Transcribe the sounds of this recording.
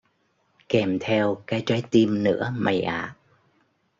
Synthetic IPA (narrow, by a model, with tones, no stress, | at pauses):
kɛ˨˩mt̪ʰɛ˧wkaː˨˦jt͡ɕwa˨˦jt̪i˧mnɨ̰˧˥əma˨˩jʔaː˨˩ʔ̚